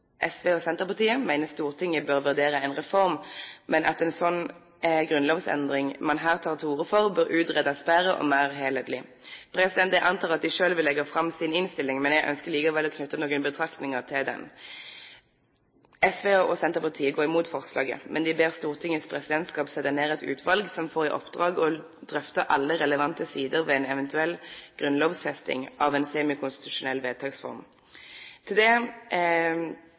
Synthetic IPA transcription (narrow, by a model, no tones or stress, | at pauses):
ʔɛsʋeːɔsɛnt̪əʁpɑʁt̪ʰiːəmæɪnəst̪uːʁt̪ʰɪŋːəbøʁʋʉʁd̪eːɾəɛnʁɛfɔʁmmɛnʔɑ̰t̪ɛnsɔnː | ɡʁʉnloːʋsɛ̰nd̪ʁɪŋmɑnɦæːʁt̪ʰɑːʁt̪ʰuːʁəfɔʁbœɾʔʉːd̪ʁɛd̪ɑspæɾəʔɔ̰mæːʁɦeːlɛd̪lɪ | pʰɾɛsɪd̪ɛnt̪ɛʔɑnt̪ʰɑːʁɑt̪̚d̪ɪʂøːlʋɪlːɛɡəfʁɑmsɪnɪnst̪ɪlːɪŋmɛnjæɡʔœ̰nskəliːkɑʋɛlːɔkʰnʉt̪ːənoːɡənbət̪ʰʁɑkt̪nɪŋəʁt̪ʰɪld̪ɛ̰n | ɛsʋeːɑʔɔsɛnt̪əʁpɑʁt̪ʰiːəɡoːʁɪmuːt̪fɔʁslɑ̰ːɡə̰mʔɛnd̪ɪbeːʁst̪uːʁt̪ʰɪŋːəspʰʁɛsɪd̪ɛnt̪skɑːpsɛt̪ːəneːʁɛt̪ʉ̰ːt̪ʰʋɑlɡsɔmfoːʁɪʔɔ̰pd̪ʁɑːɡɔ | d̪̥ʁœft̪əʔɑ̰lːəʁɛləʋɑnt̪əsiːd̪əʁʋɛɛnɛʋɛnt̪ʉɛlːɡ̥ʁʉnloːʋsfɛst̪ɪ̰ŋʔɑʋɛnseːmɪkʰʊnst̪ɪ̥t̪ʉʂʊnɛlːʋeːd̪̚t̪ʰɑːɡsfɔ̰ʁm | t̪ʰɪld̪ɛ